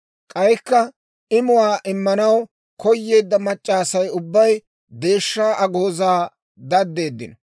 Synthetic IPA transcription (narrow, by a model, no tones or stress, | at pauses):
kʼɐjkːɐ | ɪmʊwaːʔɪmːɐnɐw | kɔjːe̞ːd̪ːɐmɐt͡ʃʼːaːsɐjʊbːɐj | d̪e̞ːʃːaːʔɐɡoːzaː | d̪ɐd̪ːe̞ːd̪ːɪ̰nɐ